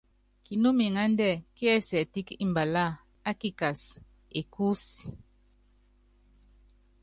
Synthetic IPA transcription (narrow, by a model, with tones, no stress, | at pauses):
ki˨nu˦mi˨ŋa˦n˦dɛ˦˨ki˦ɛ˦sɛ˨ti˦ki˦m˨ba˨la˦˨ | a˦ki˦˨ka˨s | e˨ku˦si˨